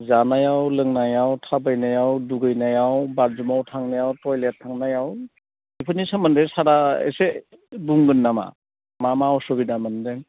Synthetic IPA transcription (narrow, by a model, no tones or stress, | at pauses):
zanajawlɯŋnajawtʰabajnajawduɡɯjnajawbaɾzumawtʰaŋnajawtɔjlet̚ʰːaŋnajaw | ipʰɯnisamɯndesaɾaḛse | buŋɡɯnːama̰ | mamaɔsɔbidamandeŋ